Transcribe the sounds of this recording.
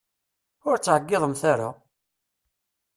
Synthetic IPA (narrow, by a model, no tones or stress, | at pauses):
ʊɾt͡sːʕəɡːɪðˤəmθaɾa̰